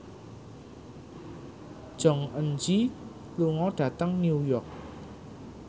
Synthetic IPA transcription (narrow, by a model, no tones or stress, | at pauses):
d̥ʒ̥ɔ̤ŋənd͡ʒi | luŋɔɖ̥ä̤t̪əŋniujɔk̚